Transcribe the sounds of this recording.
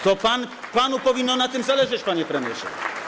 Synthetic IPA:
t̪ɔpanpanupɔvʲinːɔnat̪ɘmzalɛʐɛt͡ɕpaɲɛpɾɛmʲjɛʂɛ̰

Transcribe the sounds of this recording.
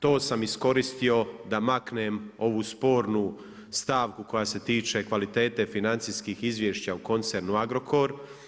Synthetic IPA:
t̪o̞ːsamisko̞ɾist̪io̞d̪amaknemo̞ʋuspo̞ːɾnu | st̪aːʋkuko̞jaːse̞t̪iːt͡ʃe̞kʋalit̪e̞ːt̪e̞finant̪siskixizʋjeʃt͡ɕauko̞nt̪seɾnuaɡɾo̞kʰo̞ɾ

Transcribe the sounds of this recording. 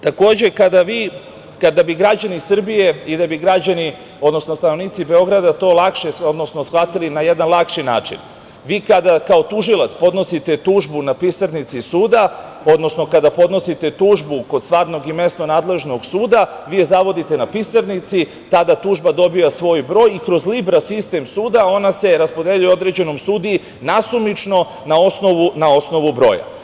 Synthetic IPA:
t̪ako̞ːd͡ʑekad̪aʋiː | kad̪abiɡɾad͡ʑanisr̩bije̞id̪abiɡɾad͡ʑani | o̞d̪no̞snost̪ano̞ʋniːt̪sibe̞o̞ɡɾad̪at̪o̞ːlakʃeo̞d̪no̞snosxlat̪ilinajed̪anlˠakʃina̰ːt͡ʃḭn | ʋiːkad̪akao̞t̪uʒilˠat̪spo̞d̪no̞sit̪e̞t̪uːʒbunapisaɾnit̪sisuːd̪a | o̞d̪nosno̞kad̪apo̞d̪no̞sit̪e̞t̪uːʒbuko̞d̪st̪ʋaːɾno̞ɡime̞st̪no̞naːd̪le̞ʒno̞ɡsuːd̪a | ʋijezaʋo̞d̪it̪e̞napisaɾnit̪si | t̪ad̪at̪uʒbad̪o̞bijasʋo̞ːjbɾo̞ːjikɾo̞zlibɾasist̪e̞msuːd̪ao̞nase̞ɾaspo̞d̪e̞ʎujeo̞d̪ɾed͡ʑe̞no̞msuːd̪ii | nasumit͡ʃno̞ | nao̞sno̞ʋunao̞sno̞ʋubɾo̞̰ja̰

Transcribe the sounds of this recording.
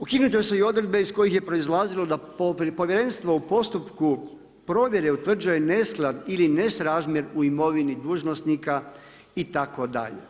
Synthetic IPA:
ukiːnut̪oeseio̞d̪ɾed̪̚be̞isko̞jixje̞pɾo̞izlˠaːzilo̞d̪a | po̞ʋʲjeɾe̞nst̪ʋoupo̞st̪upku | pɾo̞ːʋʲje̞ɾe̞ut̪ʋr̩d͡ʑuje̞ne̞sklˠad̪iline̞sɾaːzmje̞ɾuimo̞ʋinid̪uːʒnost̪nika | it̪ako̞d̪a̰ʎḛ

